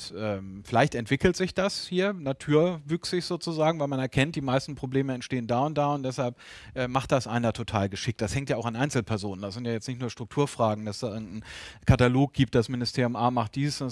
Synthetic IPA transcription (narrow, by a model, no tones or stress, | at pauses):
ʔɛːfɪlaɪçtɛntv̥ɪkl̩tz̥ɪçd̥ashiːɐnatʰuːɐvʏksɪçz̥oːt͡suzaːɡŋ̩vaɪlmanɛɐkʰɛnt̚d̥iːmaɪstn̩pʁ̥obleːməɛntʃteːəndaːʊnt̚d̥aːʊntd̥ɛshalp | ʔɛːmaχt̚d̥asʔaɪnɐtʰotʰa̰ːlɡəʃɪk̚t̚d̥ashɛŋktjaːaʊxanʔaɪnt͡sl̩pʰɛɐzoːnəndasz̥ɪntjaːjɛt͡snɪçtnuːɐʃtʁ̥ʊk̚tʰuːɐfʁ̥aːɡŋ̩d̥asd̥aːʔɪɐɡŋ̩tn̩kʰataloːk̚ɡ̥iːp̚t̚d̥asmɪnɪstʰeːɐjʊmʔaːmaχt̚d̥iːzs